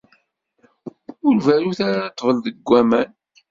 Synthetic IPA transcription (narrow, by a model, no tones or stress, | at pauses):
ʊɾvæɾuθaɾat̪ːvəlðəɡʷːæmæn